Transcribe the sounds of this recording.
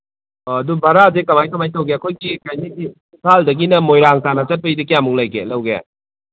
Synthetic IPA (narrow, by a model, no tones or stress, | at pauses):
ɐdubɐɾazekɐmajkɐmajtɐwɡeɐkʰojɡikajnidi | usʰaldɐɡinɐmojɾaŋtanat͡ʃɐt̚pɐjdikijambuŋlajɡḛlɐwɡea̰